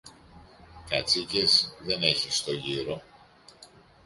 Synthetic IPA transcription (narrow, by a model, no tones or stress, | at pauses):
kɐt͡sice̞zðe̞ne̞çist̪o̞ʝiɾo̞